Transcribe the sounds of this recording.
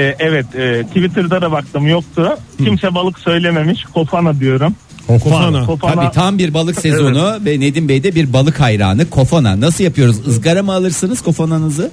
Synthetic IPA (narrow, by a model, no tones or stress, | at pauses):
ɛɛvɛt̪ɛːt̪ʰːivit̪ʰɯɾd̪ad̪abak̚t̪ʰɯmjok̚t̪ʰʊcʰimsɛbalˠɯksø̞jlʲeme̞miʃkʰo̞fanad̪yjo̞ɾum | akʰofaaniːt̪ʰambiɾbalˠɯksezo̞nuvɛne̞d̪inbejd̪ɛbiɾbalˠɯkajɾa̰ːnɯkʰo̞fana̰nas̬ɯlˠjapʰɯjo̞ɾuzɯzɡaɾamɯalˠɯɾsɯnɯz̥kʰo̞fananɯzɯ